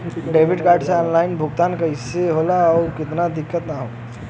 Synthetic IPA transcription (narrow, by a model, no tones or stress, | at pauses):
ɖeːʋɪɖkaːɾʈseɔːnlaːɪnbʱʊɡt̪aːnkaɦɪseɦolaɔːɾkɪt̪nad̪ɪkːət̪naɦo